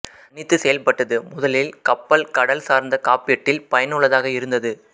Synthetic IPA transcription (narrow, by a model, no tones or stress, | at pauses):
nɪt̪ːɯsɛjɐlpɐʈːɐðɯmʊðɐlɪlkɐpːɐlkɐɽɐlsaːɾnd̪ɐkaːpːɪjɐʈːɪlpɐjɐnɯɭɐðaːɣɐɪɾɯnd̪ɐðɯ